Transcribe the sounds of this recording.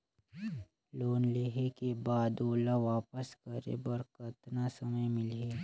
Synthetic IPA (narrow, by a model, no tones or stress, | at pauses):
loːnleːɦekebaːd̪oːlaʋaːpəskəɾḛbəɾkət̪nasɐməjmɪleː